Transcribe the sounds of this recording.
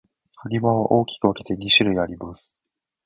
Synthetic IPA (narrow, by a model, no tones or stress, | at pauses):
haɾʲiβaβaʔo̞ːkʲi̥kɯ̟βake̞t̪e̞ɲʲiɕiɾɯ̟iaɾʲimasɨ̥